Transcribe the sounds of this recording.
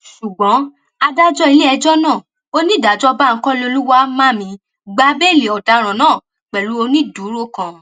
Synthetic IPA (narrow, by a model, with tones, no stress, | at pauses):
ʃu˨ɡ͡bɔ̃˨˦ | a˧da˦d͡ʒɔ˦i˧le˦ɛ˧d͡ʒɔ˦nãː˦˨ | o˧nĩ˦˨da˨˦d͡ʒɔ˦ba˦ŋ̩˦kɔ̃˦le˧o˧lu˦wa˦mã˦˨mĩ˧˦ | ɡ͡ba˨˦be˦˨le˨ɔ˨da˨˦ɾ̃ã˨nãː˦˨ | k͡pɛ˨lu˨˦o˧nĩ˦du˨˦ɾo˦kã˧